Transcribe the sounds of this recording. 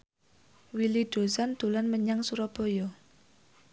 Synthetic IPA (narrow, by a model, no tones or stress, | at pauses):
wiliɖ̥o̤sand̪̥ṳlanməɲaŋsuɾɔb̥ɔ̤jɔ